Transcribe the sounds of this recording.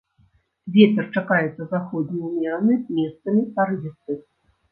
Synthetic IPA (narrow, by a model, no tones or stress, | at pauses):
vʲet͡sʲɛrt͡ʂakajɛt̪sɐzaxɔd̪nʲijwmʲanɨzʲmʲɛst̪sɐmʲipaɾɨvʲɛsɨ